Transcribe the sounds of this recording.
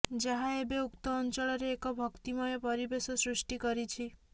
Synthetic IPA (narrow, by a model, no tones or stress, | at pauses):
d͡ʒaɦaebeukt̪ɔːnt͡ʃɔɭɔɾeːkɔbʱɔkt̪imɔjɔpɔɾibesɔsɾusʈikɔɾit͡ʃʰi